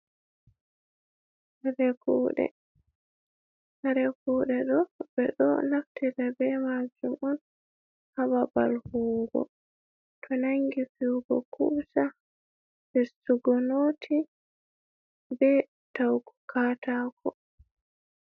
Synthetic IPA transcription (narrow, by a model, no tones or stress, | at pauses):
aɾɛkuɗɛ̰ | aɾɛkuːɗɛɗɔbɛɗɔ̰naktiɾɛbɛmad͡ʒumɔn | hababa̰lhuːɡɔ̰ | tʰɔnaŋɡifiwɡɔ̰kʰusa | bɛstuɡɔnoːtʰi | bɛ | tawku̥kaːtaːkʰɔ